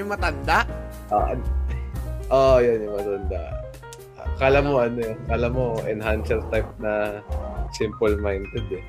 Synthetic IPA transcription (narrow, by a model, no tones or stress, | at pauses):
ʊŋmɐt̪ɐnd̪aʔ | ʔoʔɐ̰ | ʔojonjʊŋmɐt̪ɐnd̪a̰ʔ | kalamːoʔɐnojkalamoʔɛnɦansɛɾt̪ajp̚nɐ | sɪmpʊlmajnd̪ɛd̪ɛ